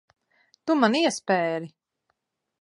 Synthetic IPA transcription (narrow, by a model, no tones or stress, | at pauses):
t̪umaniɛspɛːɾi